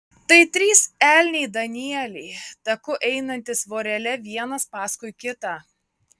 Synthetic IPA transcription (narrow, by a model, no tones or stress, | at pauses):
t̪ɐɪt̪ʲɾʲiːsæːlʲnʲɛɪd̪ɐnʲiɛlʲɛɪt̪ɐkʊʔɛɪnɐnʲt̪ʲɪsʋoːɾʲɛlʲɛʋʲiɛnɐspɑːskʊɪkʲɪt̪ɑː